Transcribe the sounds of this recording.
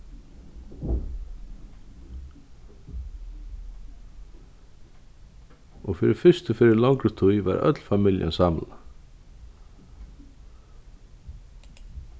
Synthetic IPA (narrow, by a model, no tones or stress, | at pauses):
ɔɣfɪɾɪfɪst̪ʏfɪɾɪɾlawŋkɾʏt̪ʰujva̰ɾœ̰t̪lfamɪlja̰nsamla